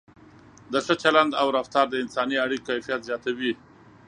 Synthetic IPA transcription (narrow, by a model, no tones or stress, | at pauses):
d̪əsət͡ʃaland̪awɾaft̪ɑɾd̪əɪnsɑniaɽikkajfijat̪zjɑt̪awi